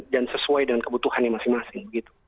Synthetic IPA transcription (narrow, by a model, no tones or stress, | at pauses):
d͡ʒansəsuajdəŋankəbut̪uhanjaŋmasɪŋmasɪŋbəɡit̪u̥